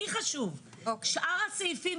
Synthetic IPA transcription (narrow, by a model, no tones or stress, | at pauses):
iχaʃuv | okʃʔaʁat͡seifim